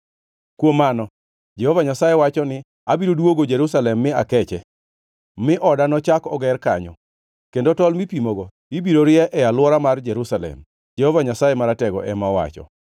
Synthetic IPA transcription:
kwomːanɔ | d͡ʒɛhɔvaɲasajɛwat͡ʃɔnɪ | abiɾodwoɡod͡ʒeɾusalɛmːɪakɛt͡ʃɛ | mɪʔɔdanɔt͡ʃakɔɡɛrka̰ɲɔ̰ | kendotɔlmipimoɡo | ibiɾoɾɪɛʔɛalwɔɾamard͡ʒɛɾusalɛ̰m | d͡ʒɛhovaɲasajɛmaɾatɛɡɔ̰ʔɛmawa̰t͡ʃɔ̰

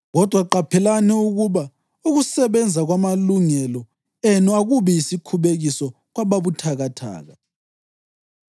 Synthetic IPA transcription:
ɣɔd̥ʱwaǃapʰɛlanɛuɣuβa | uɣusɛβɛnd͡zʱaɣwamaluŋɛlɔ | enuaɣuβɛjisikʰuβeɣisɔ | ɣwaβaβutʰaɣatʰa̰ːɣa

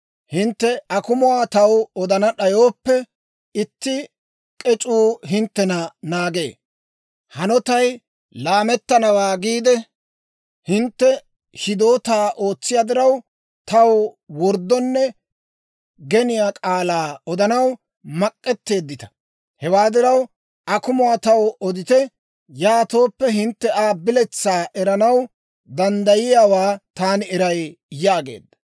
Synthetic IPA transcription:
hɪnt̪ːɛɐkʊmʊwaːt̪ɐwɔd̪ɐnɐɗɐjo̞ːpːɛ | ɪt̪ːɪ | kʼɛt͡ʃʼuːɦɪnt̪ːɛnɐnaːɡe̞̰ː | hɐnɔt̪ɐj | laːmɛt̪ːɐnɐwaːɡiːd̪ɛ | hɪnt̪ːɛ | ʃɪd̪o̞ːt̪aːʔo̞ːt͡sːɪjad̪ɪɾɐw | t̪ɐw | wɔɾd̪ːɔnːɛ | ɡɛnɪjaːkʼaːlaːɔd̪ɐnɐw | mɐkʼːɛt̪ːe̞ːd̪ːɪt̪ɐ̥ | hɛwaːd̪ɪɾɐw | ʔɐkʊmʊwaːt̪ɐwɔd̪ɪt̪ɛ | jaːt̪o̞ːpːɛɦɪnt̪ːɛʔaːbɪlɛt͡sːaːʔɛɾɐnɐw | d̪ɐnd̪ɐjɪjaːwaːt̪aːnɪɛɾɐj | jaːɡe̞̰ːd̪ːɐ̥

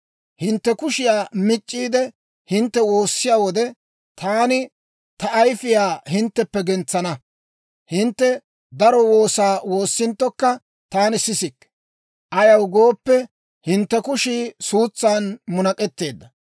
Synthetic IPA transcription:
hɪnt̪ːɛkʊʃɪjaːmɪt͡ʃʼːiːd̪ɛ | hɪnt̪ːɛwo̞ːsːɪjaːwɔd̪ɛ | t̪ʰaːnɪ | t̪ɐʔɐjfɪjaːhɪnt̪ːɛpːɛɡɛnt͡sːɐnɐ | hɪnt̪ːɛ | d̪ɐɾɔwo̞ːsaːwo̞ːsːɪnt̪ːɔkːɐ | t̪aːnɪsɪsɪkː | ʔɐjɐwɡo̞ːpːɛ | hɪnt̪ːɛkʊʃiːsuːt͡sːaːnmʊnɐkʼɛt̪ːe̞ːd̪ːɐ

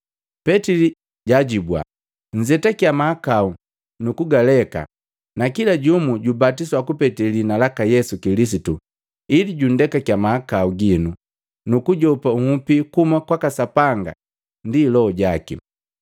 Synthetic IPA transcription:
pɛtili | ɟaɟibwa̰ | ɲ̩d͡ʒɛtakjamahakau | nukuɡalɛka̰ | nakilaɟumuɟubatiswakupɛtilinalakajɛsukilis̬itu | iliɟun̩dɛkakjamahakauɡinu | nukuɟɔpauhupikumakwakasapaŋɡa̰ | ndiːlɔɔɟakḭ

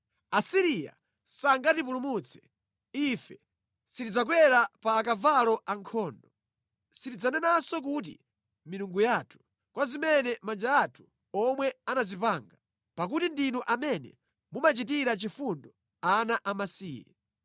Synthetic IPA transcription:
asiɾija̰ | saŋɡatip̬ulumut͡sʰɛ̥ | ifɛ | sitid͡zak̬wɛɾapaːkavalɔʔaŋkʰɔːndɔ | sitid͡zanɛnasɔk̬ut̬ḭ | miɾuŋɡujatʰu̥ | kwazimɛnɛmand͡ʒaːtʰu̥ | ɔmwɛanazipaŋɡa | pak̬utindinɔʔamɛnɛ̰ | mumat͡ʃit̬iɾat͡ʃifundɔ | anaʔamasiːjɛ̰

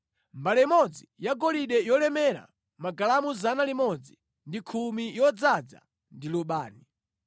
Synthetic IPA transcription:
mbalɛimɔd͡zijaɡɔliɗɛjɔlɛmɛɾa̰ | maɡalamuzanalimɔd͡zi | ndikʰumijɔd͡zad͡za̰ | ndiluɓaːni

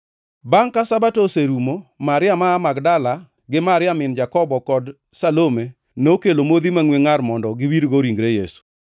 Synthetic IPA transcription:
baŋkasabatoseɾumomaɾɪamaːmaɡdala | ɡɪmaɾɪamɪnd͡ʒakɔbɔkɔd | salome | nokelomod̪imaŋweŋaɾmɔndɔɡɪwiɾɡoɾiŋɡɾejesu̥

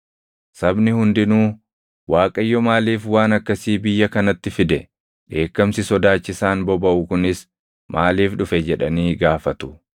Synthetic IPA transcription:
sɐbnɪhʊnd̪ɪnuː | waːkʼɐjːɔmaːliːfwaːnɐkːɐsiːbɪjːɐkɐnɐt̪ːɪfɪd̪ɛ | ᶑe̞ːkːɐmsɪsɔd̪aːt͡ʃːɪsaːnbɔbɐʔʊkʊnɪs | mʔaːliːfᶑʊfɛd͡ʒɛᶑɐniːɡaːfɐt̪ʊ̥

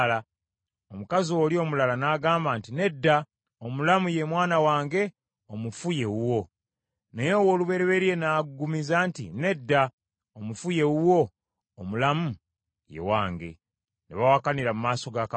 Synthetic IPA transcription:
la | omukazoːlio̞ːmulalanaːɡaːmbaːntine̞dːa | omulamuje̞mwaːnawaːŋɡe̞ | omufuje̞wuwo̞ | nejewo̞ːluβe̞ɾeβe̞ɾie̞naɡɡumizaːntḭne̞dːa | omufuje̞wuwo̞ː | mulamu | je̞̰wa̰ːŋɡe̞̰ | neβawakaniɾamumaːso̞ɡak

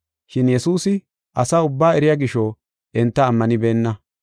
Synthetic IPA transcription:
ʃɪnjɛsuːsɪ | ʔɐsaːʊbːaːɛɾɪjaːɡɪʃɔ | ʔɛnt̪ːɐːmːɐnɪbeːnːɐ

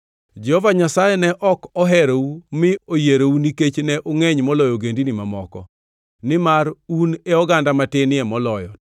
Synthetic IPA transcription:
d͡ʒɛhovaɲasajɛnɛʔɔkɔɦɛɾoumɪojeɾouniket͡ʃnɛʔoŋɛɲmɔlɔjoɡendinimamɔkɔ̰ | nɪmaɾuneɔɡandamatɪnɪɛmɔlɔjɔ

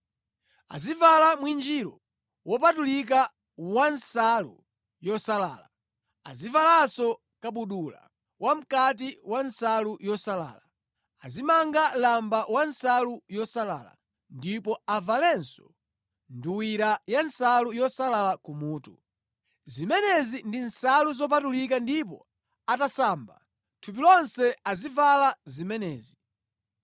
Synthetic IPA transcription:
a̰zivalamwind͡ʒiɾɔ | wɔpatulik̬a | wansalṵ | jɔsala̰ːla | a̰zivalasɔ | kaɓuɗula̰ | wʔam̩kat̬iwansalujɔsala̰ːla | azimaŋɡalambawansalujɔsala̰ːla̰ | ndipɔavalɛnsɔ | nduwiɾajansalujɔsalalakumuːtu | zimɛnɛzindinsaluzɔp̬atulikandip̬ɔ̰ | atasaːmba̰ | tʰupilɔnsɛazivalazimɛnɛːzi

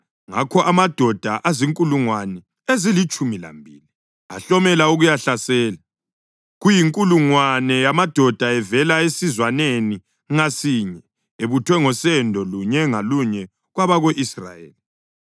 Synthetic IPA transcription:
ŋa̰kʰɔʔamad̥ʱɔd̥ʱaʔaziŋkʼuluŋwanɛ | ezilit͡ʃʼumila̰mbʱili | aɬɔmɛlauɣujaɬasɛːla | ɣujiŋkʼuluŋwanɛjamad̥ʱɔd̥ʱaɛvɛlaesizwaneni | ŋasiɲɛ | eβutʰwɛŋɔsɛndʱɔluɲɛŋaluɲɛ | ɣwaβaɣoʔisra̰jḛːli

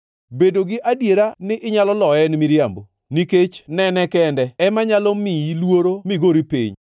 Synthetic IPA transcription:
bedoɡɪʔadjeɾanɪʔɪɲalɔlɔɛnɪmiɾjambo | niket͡ʃnɛnɛkɛndɛɛmaɲalɔmiilwoɾomɪɡoɾipḭɲ

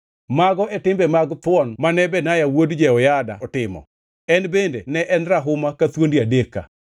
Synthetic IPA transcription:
maɡɔʔɛtɪmbɛmaɡt̪wɔnmanɛbɛnajawodd͡ʒɛɔjada̰ɔtɪmɔ̰ | ɛnbendenɛʔɛnɾaɦʊmakat̪wondiadekːa̰

